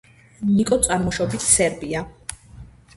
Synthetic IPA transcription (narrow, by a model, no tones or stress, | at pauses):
nikʼɔt̪sʼaɾmɔʃɔbit̪ʰsɛɾbia